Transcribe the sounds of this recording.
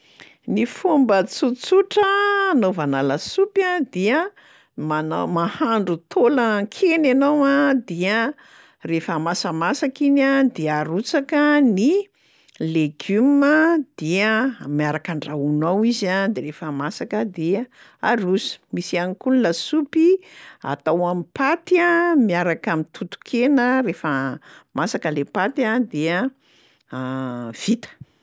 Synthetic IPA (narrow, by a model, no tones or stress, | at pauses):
nifumbət͡sut͡suʈ͡ʂənovanalasupad̪iə | manmahaɳɖ͡ʐut̪ʰoləkʰenanowad̪iə | refamasəmasakinad̪iaɾut͡sakəni | leɡyməd̪̥iəmiaɾakaɳɖ͡ʐaunawizad̪eɾefəmasakəd̪e | aɾusi̥misianikulunəsupia̰t̪awamipat̪amiaɾakamint̪ut̪u̥kʰenəɾefəmasakəlepat̪ad̪eə | v̥it̪ə̥